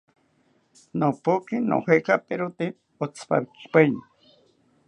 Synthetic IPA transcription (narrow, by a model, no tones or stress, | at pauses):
nopukino̰hekapeɾot̪e | ot͡sʰpa̰βiki̥pejni